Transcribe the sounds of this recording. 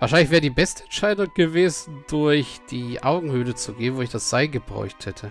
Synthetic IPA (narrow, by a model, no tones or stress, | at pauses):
vaːɐʃ̬aɪnlɪçv̥ɛːʁədiːbɛstəɛntʃaɪdʊŋɡ̥əveːzn̩dʊɐçd̥iːʔaʊɡŋ̩hyːlət͡suɡeːnvoːɪçd̥asz̥aɪɡəbʁɔ̰ʏçthɛtʰə